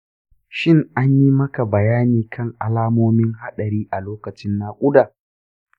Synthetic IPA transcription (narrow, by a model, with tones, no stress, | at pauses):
ʃɪ˦ŋa˦ɲji˦mɐ˦ka˨bɐ˨jaː˦niː˨kʰɐ˦ŋʔa̰˨laː˦moː˦mɪ˦ŋɦa˦ɗɐ˨ɾiː˦ʔa˨loː˦kɐ˨t͡ʃɪ˦nːaː˦kʷʼʊ˦daː˨